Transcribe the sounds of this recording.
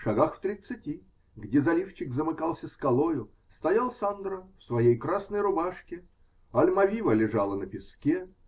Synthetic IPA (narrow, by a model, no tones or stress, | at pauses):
ʂɐɡaxft̪ɾʲɪt̪sɨtʲi | ɡdʲezɐlʲift͡ɕɪkzəmɨkalˠsʲəskɐlˠojʊ | st̪ɐjalˠsand̪ɾəfsvɐjejkɾasnəjɾʊbaʂkʲɪ | ɐlʲmɐvʲivəlʲɪʐalˠənəpʲɪskʲe